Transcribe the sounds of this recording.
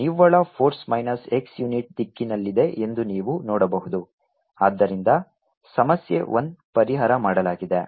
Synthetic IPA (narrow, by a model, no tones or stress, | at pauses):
niʋːɐɭɐpʰoːɾsmɐjnɐse̞ksjuniʈ̚d̪ikːinɐlːid̪e̞ʔe̞nd̪uniːʋunɔːɽɐbɐɦud̪u | aːd̪ːɐɾind̪ɐ | sɐmɐsjḛʔond̪pɐɾiɦɐːɾɐmaːɽɐlaːɡid̪e